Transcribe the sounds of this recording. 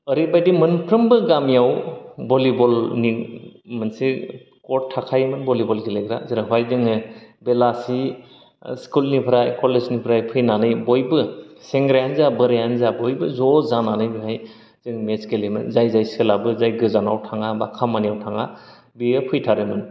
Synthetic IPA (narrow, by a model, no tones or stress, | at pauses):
əɾibajdimɯnpʰɾɯmbɯɡamijawbɔlibɔlnimɯnse | kɔakʰajmɯnbɔlibɔlɡileɡɾa̰ziɾaɦwajzɯŋɯbelasi | skulnipʰɯɾajkɔleznipʰɾajpʰɯjnanɯjbɔjbɯseŋɡɾajanzabɯɾejanzabɔjbɯzɔzananɯjbikʰaj | z̥ɯŋmeskelimɯ̰nzajzajselabɯzajɡɯzanawtʰaŋabakʰamanijawtʰaŋa | biɯpʰɯjtʰaɾɯmɯn